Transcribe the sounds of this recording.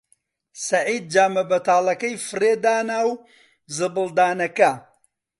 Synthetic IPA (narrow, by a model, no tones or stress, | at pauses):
sɐʕiːd̪̚d͡ʒaːmɐbɐt̪aːlˠɐkɐjfɨreːd̪aːnaːw | zɨbɨlˠd̪aːnɐkɐ